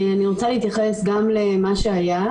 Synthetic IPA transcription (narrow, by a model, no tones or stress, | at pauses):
aniʁot͡saleit̪jaχe̞sɡamle̞maʃeaja